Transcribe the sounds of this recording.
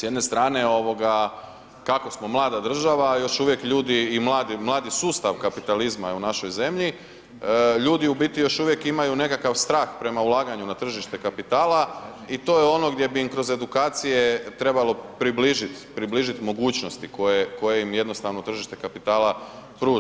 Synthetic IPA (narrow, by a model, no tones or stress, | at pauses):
sjed̪nest̪ɾaːne̞o̞ʋo̞ɡa | kako̞smo̞mlˠaːd̪ad̪r̩ʒaʋajo̞ʃuʋje̞kʎuːd̪iːmlaːd̪imlˠaːd̪isuːst̪aʋkapit̪alizmaunaʃo̞jze̞mʎi | ʎuːd̪iubit̪ijo̞ʃuʋje̞kimajune̞kakaʋst̪ɾaːxpɾe̞maulˠaːɡaɲunat̪r̩ʒiʃt̪e̞kapit̪aːlˠa | it̪o̞ːjeo̞no̞ɡd̪je̞biimkɾo̞ze̞d̪ukaːt̪sije̞t̪ɾe̞balo̞pɾibliʒit̪pɾibliːʒit̪mo̞ɡuːt͡ɕno̞st̪iko̞jeko̞je̞imje̞d̪no̞st̪aʋno̞t̪r̩ʒiʃt̪e̞kapit̪aːla | pɾuː